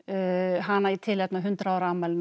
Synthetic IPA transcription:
ɦanːait̪ʰɪlɛp̪̚naɦʏnt̪ɾaːwɾaːmaln

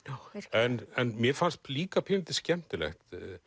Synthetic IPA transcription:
ɛnɛnmjɛfanst̪̚liːkapʰɪnt̪ɪ̥scɛm̥t̪ɪlɛ̰xt̪

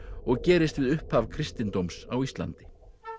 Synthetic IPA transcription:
ɔɣcɛːɾɪst̪vɪðʏhphavkʰɾɪst̪ɪnt̪owmsawist̪la̰nt̪ɪ̥

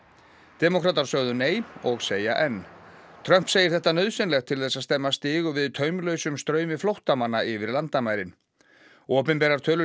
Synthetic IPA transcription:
t̪ɛmɔkʰɾaːt̪aɾsœɣðʏneːjmɔɣseːjaʔɛnːt̪ʰɾœm̥pseːjɪ̥ɾ̥θɛht̪ːanœðsɛnlɛxt̪ʰːɪlθɛsaðst̪ɛmːast̪ɪːɣʏvɪðt̪ʰœːɥmlœːɥsʏmst̪ɾœːɥmɪflowht̪amanːaɪvɪɾlant̪amaːjɾɪn | ɔːpɪnpɛɾaɾ̥t̪ʰœːlʏ

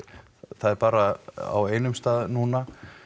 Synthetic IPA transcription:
θaðɛɾpaːɾaa̰weːjnʏmst̪aːðnuːna

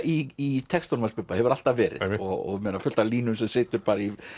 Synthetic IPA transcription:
iit̪ʰɛkst̪ɔnmalspʏpːahɛvʏɾal̥t̪avvɛːɾɪ̰ðɔɣɔ̰ɣmɛːnafʏl̥t̪aliːnʏms̬ɛmsɪːt̪ʏɾpaːɾai

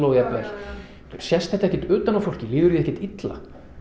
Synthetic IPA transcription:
owjat̪vɛl | sjɛst̪ɛht̪ɛhcɪ̥t̪ʏːt̪anafowr̥cɪlɪːðʏɾðiɛhcɛ̥t̪it̪la̰

